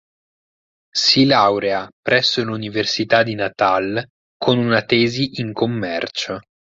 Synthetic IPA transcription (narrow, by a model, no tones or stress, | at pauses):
silawɾeapɾɛsːoluniversit̪ad̪inat̪al | kʰonunat̪ɛːziʔiŋkomːɛrt͡ʃo